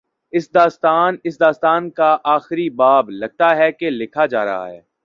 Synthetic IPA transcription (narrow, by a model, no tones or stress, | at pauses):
ɪsd̪aːst̪aːnɪs̬d̪aːst̪aːnkaʔaːxɪɾibaːblɐɡ̚t̪aɦɛkelɪkʰad͡ʒa̰ːɾɐ̰ɦa̰ɦɛ̰ː